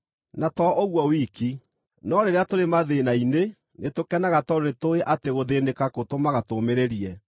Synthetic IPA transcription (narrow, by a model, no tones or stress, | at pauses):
natɔʔoɣwɔwiki | nɔɾeɾeatoɾemaðenaine | netokɛnaɣatɔɾonetoeʔateɣoðenekakotomaɣatomeɾeɾiɛ